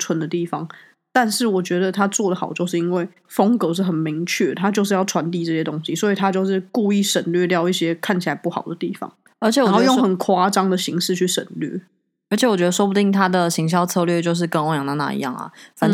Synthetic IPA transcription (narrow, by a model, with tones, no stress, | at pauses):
t͡sʰwə˧˦nd̪ə˨t̪i˥˩fɑ˩ŋ | t̪a˥˧nʂɻ̩˥˩wɔ˨˩t͡ɕɥɛ˧˥d̪ə˨t̪ʰa˥t͡swɔ˥˩d̪ə˩xɑ˨˩ʊt͡ɕjo˥˧ʊʂ̬ɻ̩˥˩˧i˥nwe˥˩ɪ | fɤ˥ŋkɤ˧˥ʂ̬̩˥˩xə˨˩nmi˧˦˥ŋt͡ɕʰɥɛ˥˩t̪ʰa˥t͡ɕjo˥˧ʂɻ̩˥˧jɑ˥˩ʈ͡ʂʰwa˧˥nt̪i˥˧ʈ͡ʂɤ˥˧˩ɕjɛ˥t̪o˥ŋɕi˨swɔ˧˥i˨˩t̪ʰa˦t͡ɕjo˥˧ʊʂɻ̩˥˧ku˥˧i˥˩ʂə˨˩nlɥɛ˥˧t̪jɑ˥˧ʊi˥˩ɕjɛ˥kʰa˥˩nt͡ɕʰi˨la˧˦ɪpu˥˩xɑ˨˩ʊd̪ə˩t̪i˥˩fɑ̰˩˦ŋ | ə˞˧˥t͡ɕʰjɛ˧˦wo˥˧jo˥˩ŋxə˨˩nkʰwa˥ʈ͡ʂɑ˥ŋd̪ə˨ɕi˧˥ŋʂɻ̩˥˧t͡ɕʰy˥˩ʂə̰˨˩nlɥɛ̰˥˩ | ə˞˧˥t͡ɕʰjɛ˧˦wɔ˨˩t͡ɕɥɛ˧˥d̪ə˧ʂwɔ˥pu˧˩t̪i˥˩ŋt̪ʰa˥d̪ə˨ɕi˧˥ŋɕjɑ˥˧ʊt͡sʰɤ˥˧lɥɛ˥˧t͡ɕjo˥˧ʊʂ̬ɻ̩˥˩kə˥o˥jɑ˨ŋt̪a˧˥na̰˥˩ḭ˧˦jɑ̰˥˩ŋɐ̰˨˩fa˨˦